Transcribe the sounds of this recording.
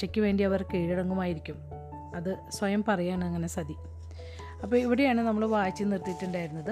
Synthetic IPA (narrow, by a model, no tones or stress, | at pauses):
ɐkʲːɨʋe̞ːɳɖiɐʋɐrkiːɻiɽɐŋːumaːjiɾikʲːum | ɐðɨsʋɐjɐmpɐrɐjaːɳɐŋːɐne̞sɐd̪i | ɐpːoːiʋiɽejaːɳɨnɐmːɐɭʋaːt͡ɕːinirt̪ijʈːuɳɖaːjiɾunːɐðɨ